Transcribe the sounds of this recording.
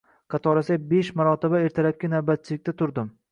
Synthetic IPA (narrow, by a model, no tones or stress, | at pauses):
qʰɑt̪ʰɒɾasabeʃmaɾɒt̪ʰɪbaeɾt̪ʰaɾap̚kʲanavbat̪̚t͡ʃʰɪlɪk̚ʲt̪at̪ʰʊɾd̪ɪm